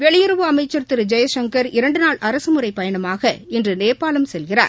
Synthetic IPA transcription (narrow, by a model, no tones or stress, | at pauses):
ʋɛɭɪjɪɾɯʋɯɐmɐɪt͡ʃːɐɾt̪ɪɾɯd͡ʒɐjɐʃɐŋkɐɾɪɾɐɳɖɯnaːɭʔɐɾɐsɯmɯrɐɪpːɐjɐɳɐmaːɣɐɪndrɯneːɾpaːlɐmsɛlɣɪra̰ːɾ